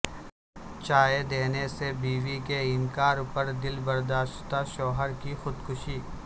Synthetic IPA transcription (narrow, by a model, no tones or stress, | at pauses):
t͡ʃaːjed̪eːnesebiːʋikeɪnkaːɾpəɾd̪ɪlbɐɾd̪aːʃt̪aʃɔːɦəɾkixʊd̪kʊʃiː